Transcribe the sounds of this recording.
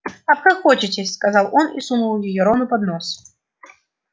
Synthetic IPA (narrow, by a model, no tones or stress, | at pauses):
apkɨxɔt͡ʃit͡sʲesʲskazawɔnisunuwjijɔɾɔnupad̪nɔs